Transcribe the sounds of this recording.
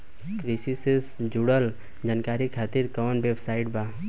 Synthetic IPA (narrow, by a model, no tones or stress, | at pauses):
kɾisisesd͡ʒuɽəl | d͡ʒaːnkaːɾikʰaːt̪iɾkɔːnʋebsaːɪʈbaː